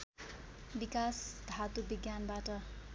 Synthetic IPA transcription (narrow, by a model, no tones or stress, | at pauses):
bikasd̪ʱat̪ubiɡjanbaʈʌ